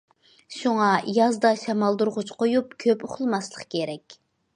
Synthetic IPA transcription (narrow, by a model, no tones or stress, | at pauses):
ʃuŋɑjɑzd̪ɑʃɑmɑlˠd̪uɾʁʊt͡ʃqʰojup̚kʲʰøpoχʰlˠmɑslˠəqkʲʰeɾɛkʲ